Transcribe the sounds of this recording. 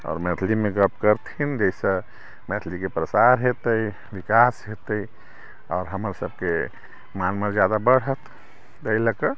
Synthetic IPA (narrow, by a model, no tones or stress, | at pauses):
ɔ̰ːɾmɛt̪ʰlimeɡəp̚kəɾt̪ʰind͡ʒəsə̃ | mɛt̪ʰlikepɾəsaɾɦet̪əi | ʋikasɦet̪əi | ɔːɾɦəməɾsəb̚ke | manməɾd͡ʒjad̪abəɽ̤ət̪ʰ | əiləkə